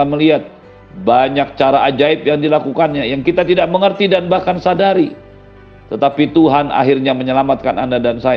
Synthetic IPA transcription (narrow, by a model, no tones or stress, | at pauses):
aməliɦat̪̚ | baɲak̚t͡ʃaɾaʔad͡ʒaɪpjaŋdilakukanɲajaŋkit̪at̪idaʔ̚məŋərt̪idanbahkansadaɾi | t̪ət̪apit̪uɦana̰ɦirɲaməɲəlamat̪̚kana̰ndadansaj